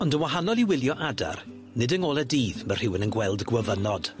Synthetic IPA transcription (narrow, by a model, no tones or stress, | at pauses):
ɔndənwaɦanɔlˠiwɪlˠjɔʔada̰r | nɪdəŋoːlˠɛdiːðmər̥ɪwɪnənɡwɛlˠdɡwəvənɔd̥